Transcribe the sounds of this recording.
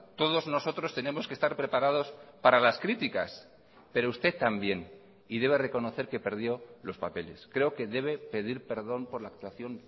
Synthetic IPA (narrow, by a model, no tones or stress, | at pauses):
t̪o̞ð̞o̞zno̞so̞t̪ɾo̞st̪e̞ne̞mo̞skest̪aɾpɾe̞paɾað̞o̞spaɾalaskɾit̪ika̰s | pe̞ɾo̞ust̪e̞t̪ːambje̞n | iðe̞β̞e̞reko̞no̞θe̞ɾke̞pe̞ɾð̞jo̞lo̞spape̞le̞̰skɾe̞oke̞ðe̞β̞e̞pe̞ð̞iɾpe̞ɾðo̞mpo̞ɾlaːk̚t̪waθjo̞n